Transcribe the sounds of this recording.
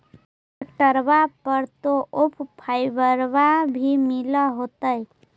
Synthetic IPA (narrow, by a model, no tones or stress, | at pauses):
kʈəɾbapəɾt̪oʔopʰpʰːajbəɾbabʱimiləɦot̪əj